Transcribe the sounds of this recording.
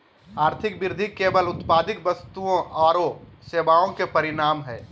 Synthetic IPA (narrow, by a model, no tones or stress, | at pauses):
aːɾt̪ʰɪkbɪɾd̪ʱikebəlʊt̪paːd̪ɪkbəst̪uõʔɔːɾosebaõkepəɾinaːmɦɛː